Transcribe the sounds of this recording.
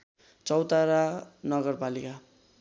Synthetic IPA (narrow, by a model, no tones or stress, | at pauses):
t͡sʌwt̪aɾanʌɡʌrpalika